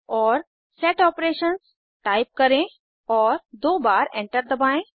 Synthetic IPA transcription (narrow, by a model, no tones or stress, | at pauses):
ɔːɾ | sɛʈɔːpɾeːʃəns | ʈaːɪp̚kɐɾẽ | ɔːɾd̪oːbaːɾɛ̃ɳʈəɾd̪əbãːẽ